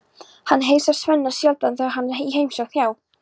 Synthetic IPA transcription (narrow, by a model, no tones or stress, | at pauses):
hanːɦeːjsav̥svœnːḁsjalplanθaaɦanːiɦejmsɔwθjaːw